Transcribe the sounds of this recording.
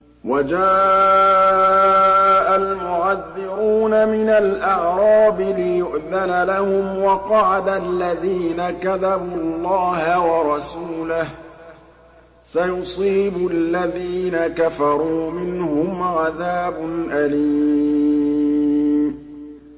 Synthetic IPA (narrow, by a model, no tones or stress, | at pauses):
wad͡ʒaː | ʔalmʊʕaðːɪɾuːnamɪnalʔɑʕɾˤɑːbɪlɪjʊʔðalalahʊmwɑqɑʕad̪alːaðiːnakaðabulˤːɑːhawɑɾˤɑsuːlah | sajʊsˤiːbʊʔalːaðiːnakafɑɾˤuːmɪnhʊmʕaðaːbʊnʔaliː | mmmmm